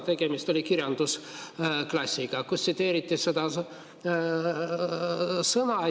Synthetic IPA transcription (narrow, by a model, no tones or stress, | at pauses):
t̪eɡ̥emist̪olʲikirjɑnd̪usklɑsʲːiɡɑkusit̪eːɾit̪ːised̪ɑ | sɤnɑ